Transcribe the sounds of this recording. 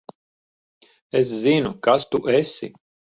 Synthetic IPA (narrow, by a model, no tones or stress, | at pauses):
eszinukast̪uʔɛsʲḭ